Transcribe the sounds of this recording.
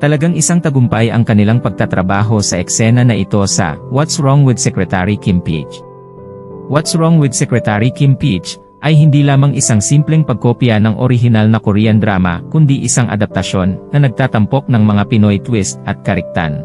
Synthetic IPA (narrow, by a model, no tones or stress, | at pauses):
t̪ɐlɐɡaŋɪsaŋt̪ɐɡʊmpajʔɐ̰ŋkɐnɪlaŋpɐɡ̚t̪at̪ɾɐbaːɦo̞sɐʔɛksɛnɐnɐʔɪt̪o̞sɐ̰wat̪sɹoŋwɪd̪̚sɛkɾɛt̪aɾikimpḭt͡ʃ | wɔt̪sɹoŋwɪd̪̚sɛkɾɛt̪aɾikimpit͡ʃ | ʔɐjɦɪnd̪iːlaːmɐŋʔɪsaŋsimplɛŋpɐɡ̚koːpjɐnɐŋʔo̰ɾɪɦɪnalnɐkʊɾiːɐnd̪ɾaːmɐ̰kʊnd̪iʔɪsaŋʔɐ̰d̪ɐp̚t̪ɐʃo̞nːɐnɐɡ̚t̪aːt̪ɐmpo̞k̚nɐŋmɐŋapɪnojt̪wist̪̚ʔɐt̪̚kɐɾɪk̚t̪a̰n